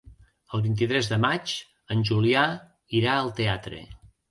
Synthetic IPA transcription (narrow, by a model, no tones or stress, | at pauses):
əlˠβint̪̬it̪ɾɛzðəmat͡ʃ | ənʲʒulia | iɾaəlˠt̪eat̪ɾḛ